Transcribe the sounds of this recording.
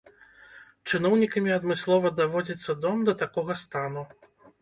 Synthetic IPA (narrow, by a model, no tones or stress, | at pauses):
t͡ʂɨnɔwnʲikɐmʲiɐd̪mɨslˠɔvɐd̪avɔd͡zʲit̪sːɐd̪ɔmd̪ɐt̪akɔɣɐst̪an̪u